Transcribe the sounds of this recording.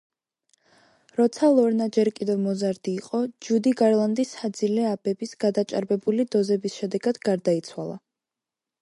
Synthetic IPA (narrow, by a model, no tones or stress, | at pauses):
ɾɔt̪sʰalˠɔɾnad͡ʒɛɾkʼid̪ɛvmɔzaɾd̪̥iːqʼɔd͡ʒud̪iɡaɾlˠand̪isad̪zilɛabɛbisɡ̥ad̪at͡ʃʼa̰ɾbɛbulid̪ɔzɛbisʃɛd̪ɛɡad̪̥ɡaɾd̪ait̪sʰwalˠa̰